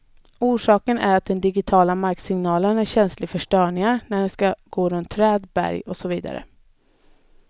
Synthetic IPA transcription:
uːʂɑːkənʔæ̰ɾat̪̚d̪ɛnd̪ɪɡɪt̪ʰɑːlamaɾksɪŋnɑːlənæɾɕɛnslɪɡfœʂʈœːɳɪŋaɾnæɖɛskaɡ̥oːɾɵnt̪ʰːɾɛːd̪bæ̰ɾjɔsɔviːd̪a̰ɾə̰

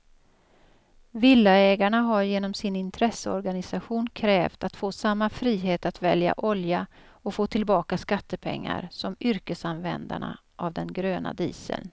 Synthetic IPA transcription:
vɪlːaɛːɡaɳaɦaɾjeːnɔmsɪnɪnt̪ʰɾɛsːəɔ̰ɾɡanɪsaɧuːnkʰɾɛːvt̪at̪foːsamːafɾiːɦeːt̪at̪vɛlja̰ʔɔlja | ɔfoːt̪ʰɪlbɑːkaskat̪ːəpʰɛ̰ŋːa̰ɾsɔmʏɾkəsanvɛ̰nd̪a̰ɳa̰ | ʔavd̪ɛnɡɾøːna̰d̪ḭːsə̰ln

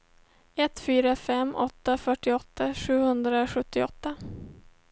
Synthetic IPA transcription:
ɛt̪ːfyːɾafɛmːʔɔt̪ːafœʈːɪɔt̪ːaɧʉ̟ːhɵnd̪ɾaɧɵt̪ːɪɔt̪ːa

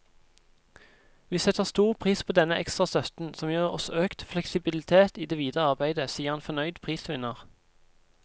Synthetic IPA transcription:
ʋiːsɛt̪əʁst̪uːʁpʰʁiːspʰoːd̪ɛnəʔɛkst̪ʁɑsœt̪n̩sɔmjøːʁɔ̰søːkt̪flɛksɪbɪlɪt̪ʰeːt̪iːd̪eːʋiːd̪əʁəɑʁbæɪd̪əsiːəʁhɑnfɔnœʏd̪pʰʁiːsʋɪnəʁ

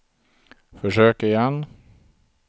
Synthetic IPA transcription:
fɔʂøːkəɪjɛn

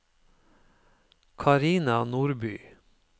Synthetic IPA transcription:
kʰɑɾiːnɑnuːɾbyː

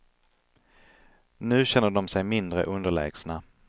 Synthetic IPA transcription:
nʉ̟ːɕɛnːəɖɔmsɛjmɪnd̪ɾə̰ʔɵnd̪əɭɛ̰ːɡ̥sna

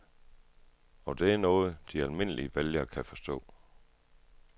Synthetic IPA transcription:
ɒ̽d̥e̝æɐnɔ̽ːð̩ˠəd̥iælme̝n̰əlḭəʋeljɐkʰæfɒ̽sd̥ɔ̰̽ː

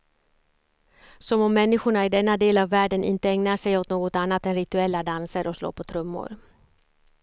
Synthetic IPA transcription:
sɔmɔmːɛnːɪɧʊɳaɪd̪ɛnːad̪eːlavːæːɖənʔɪ̰nt̪əɛŋnaʂɛjɔt̪noːɡɔt̪anːat̪ɛnɾɪt̪ɵɛlːad̪ansəɾʔɔslo̰ːɾpʰɔt̪ʰɾɵmːʊ̰ɾ

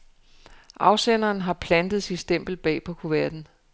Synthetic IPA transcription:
ʔɑ̈ʊsenɐːnɦɑ̈pʰlænd̥ð̩ˠsinsd̥em̰b̥l̩b̥ɛ̰ːpʰɒ̽kʰuʋæɐd̥n̩

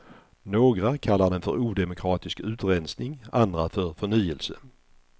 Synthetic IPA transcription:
noːɡɾakʰalːaɖ̪ɛnfœɾuːd̪ɛmʊkʰɾɑːt̪ɪskʉ̟ːt̪ɾɛnsnɪŋand̪ɾafœɾfœɳyːəlsə̰

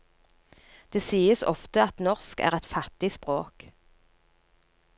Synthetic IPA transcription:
d̪̥eːsiːəsɔ̰ft̪əɑt̪nɔʁskæ̰ːʁɛt̪fɑt̪ɪspʁoːk

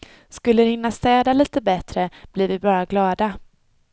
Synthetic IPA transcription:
skɵlːəɾhɪnːast̪ɛːd̪aliːt̪əbɛt̪ɾəb̥lɪɾvɪbɑːɾaɡlɑːd̪a

